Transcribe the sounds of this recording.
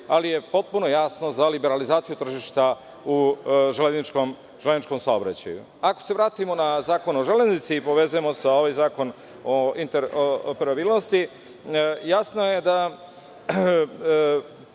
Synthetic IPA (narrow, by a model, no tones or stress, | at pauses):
alije̞po̞t̪̚puno̞jaːsno̞zalibe̞ɾalizaːt̪sijut̪r̩ʒiʃt̪a | uʒeleznit͡ʃkom | ʒeleznit͡ʃko̞msaobɾa̰t͡ɕa̰jṵ | ako̞̥se̞ʋɾaːt̪imo̞nazaːkonoʒeleznit̪sipo̞ʋe̞zujemo̞sao̞ʋajzaːko̞n | oint̪eɾoopeɾabiːlˠnost̪i | jaːsnojed̪a